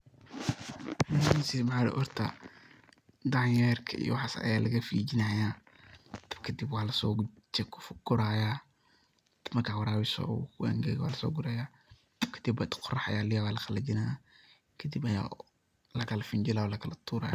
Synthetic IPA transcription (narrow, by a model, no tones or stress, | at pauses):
mnɪnsimaħaːɾɛ̰ʔɔɾt̪ʰa̰ | d̪aʕjɛɾkʰɐḭj̰wɑħasɐ̰jaːlɐɣɐfiːd͡ʒɪnɐːja | t̪ɐ̥bkʰɐd̪ibwɑːlɐsɔːt͡ʃkʰfɡ̥ʊɾaːja | d̪mɐrkʰaːwɐɾaːwɪsɔ̰kwa̰ŋɡɛ̰ɣwa̰ːlɐsɔ̰ːɡʊɾɛjaː | kʰɐ̥d̪ibːat̪qʰʊrɐħajaːlɪjawaːlɐxɐlɐd͡ʒɪnaja | kʰɐd̪ibɐja̰ː | lɐkʰɐlɐfɪnd͡ʒɪlaːlɐkʰɐlɐt̪ʰuːɾɐ̰ja̰ː